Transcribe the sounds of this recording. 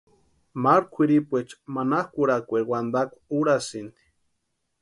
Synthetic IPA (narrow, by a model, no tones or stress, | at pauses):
maɾkʷʰiɾipʷet͡ʃmanahkʷuɾakʷeɾwand̪akʷuɾasind̪i̥